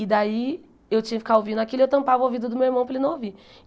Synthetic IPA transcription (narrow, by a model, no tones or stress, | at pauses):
id̪ai | ewt͡ʃĩɲɐfi̥kaovĩnd̪ʊakilʊewt̪ɐ̃mpavowvid̪ʊd̪ʊmewiɾmɐ̃w̃pɾɐelnɐ̃w̃ovi